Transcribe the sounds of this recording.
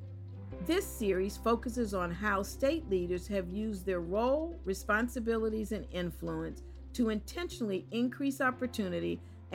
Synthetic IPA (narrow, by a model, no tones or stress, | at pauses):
ðɪsɪɹiz̥foʊkɨsɨzn̩ɦaʊsteɪtˡliɾə˞z̥ɨvjʉzðə˞ɹoʊlˠɹɨspɑ̃nsɨbɪlˠəɾizɨ̃nɪ̃ɱfluə̃ns | tʰɨɨ̃ntʰɛ̃nʃənl̩ˠiɪ̃nkʰɹ̥isɑpə˞tʰʉnɨɾi